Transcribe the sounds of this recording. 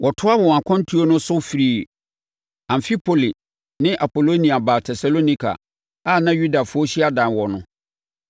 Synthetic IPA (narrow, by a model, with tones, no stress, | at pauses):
wʔɔ˨tʰʊ˦a˦wɔ˨wã˨kʰɔ̃˦n̩˦tʰu˦o˦nʊ̃˦sʊ˦fi˨ɾiː˨ | ã˨m˨fi˦pʰo˨li˨ | nɪ̃˦ʔa˨po˨lo˦nĩ˨a˨ba˨tʰɛ˨sa˨lo˦nĩ˦kʰa̰˨ | a˦˨nã˦jɥu˦da˨fʊ˦ɔ˦ɕi˦a˦dã˨nwɔ˨nʊ̃˦